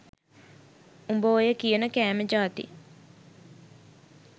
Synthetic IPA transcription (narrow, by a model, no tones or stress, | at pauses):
umboːjəkijənəkæːməd͡ʒaːt̪ḭ